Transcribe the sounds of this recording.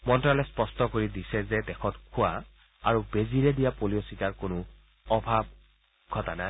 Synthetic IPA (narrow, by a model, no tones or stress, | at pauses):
mɔntɹalɛspɔstɔkoɹidisɛzɛdɛxʰɔtkʰʊa | a̰ɹubeziɹɛdijapolijositaɹkʊnʊ | ɔbʱab̚ | ɡʱɔtanaj